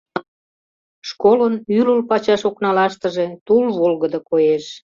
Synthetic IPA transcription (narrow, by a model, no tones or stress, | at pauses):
ʃkolənyləlpɑt͡ɕɑʃoknɑlɑʃt̪əʒet̪ulβolɣəd̪əkojeʃ